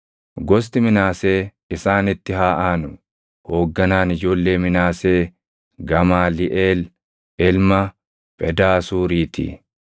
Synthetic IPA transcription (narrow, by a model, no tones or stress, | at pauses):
ɡɔs̬t̪ɪmɪnaːse̞ː | ɪsaːnɪt̪ːɪɦaːʔaːnʊ | ho̞ːɡːɐnaːnɪd͡ʒo̞ːlːe̞ːmɪnaːse̞ː | ɡɐmaːlɪʔeːl | ɪlmɐ | pʼɛd̪aːsuːɾiːt̪ɪ̰